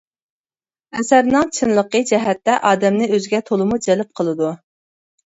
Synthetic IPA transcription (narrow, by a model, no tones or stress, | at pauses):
ɛsæɾnɨŋt͡ʃʰɨnlˠəqəd͡ʒɛɦɛt̪ːɛʔɑːd̪ɛmnɪøzɪɡʲɛt̪ʰolˠɨmud͡ʒɛlɪp̚qʰəlˠɨd̪u